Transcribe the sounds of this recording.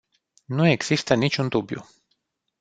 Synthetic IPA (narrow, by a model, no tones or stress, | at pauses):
nue̞ɡz̥ist̪ənit͡ʃʲund̪ubjṵ